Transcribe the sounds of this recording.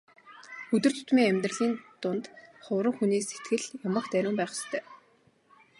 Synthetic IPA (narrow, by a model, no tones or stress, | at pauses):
ɵt̪ɵ̆r̥t̪ʰʊ̥t̪miːŋæmʲt̪rə̆ɮiːnt̪ʊnt̪χʊwɾə̆ŋxuneːsːet̪ɡɘ̆ɮjamə̆kt̪æɾʲʊːmpæːχɪ̥st̪ʰœː